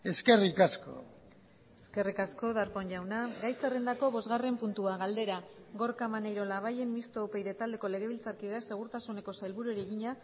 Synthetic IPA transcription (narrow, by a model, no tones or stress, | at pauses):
e̞ske̞rikasko̰ | eske̞rikasko̞ðaɾpo̞ɲʝawnaɡajserend̪ako̞βo̞zɣare̞mpunt̪uaɣald̪e̞ɾa | ɣo̞ɾkamanejɾo̞laβ̞aje̞nmist̪oːpe̞jðet̪ald̪e̞ko̞le̞ɣe̞β̞ilt͡saɾkiðase̞ɣ̞uɾt̪asune̞ko̞sajlβuɾueɾieɣiɲa